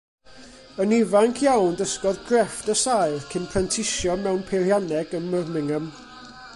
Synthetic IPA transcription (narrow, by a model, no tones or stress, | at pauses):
ənivaŋkʰjawndəskɔdɡrɛfd̥əsajrkʰɪnpʰrɛntʰɪʃjɔmɛwnpʰeljanɛɡənmərmɪŋəm